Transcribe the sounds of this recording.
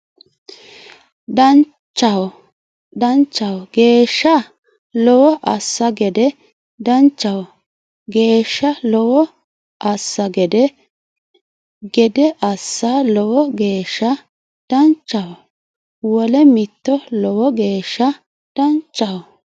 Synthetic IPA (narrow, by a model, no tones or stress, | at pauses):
d̪ɐn | t͡ʃːɐwɔ | d̪ɐnt͡ʃːɐwɔɡe̞ːʃːɐ | lɔwɔʔɐsːɐɡɛd̪ɛ | d̪ɐnt͡ʃːɐwɔ | ɡe̞ːʃːɐlɔwɔ | ʔɐsːɐɡɛd̪ɛ | ɡɛd̪ɛʔɐsːɐlɔwɔɡe̞ːʃːɐ | d̪̥ɐnt͡ʃːɐwɔ | wɔlɛmɪt̪ːɔlɔwɔɡeːʃːɐ | d̪̥ɐnt͡ʃːɐwɔ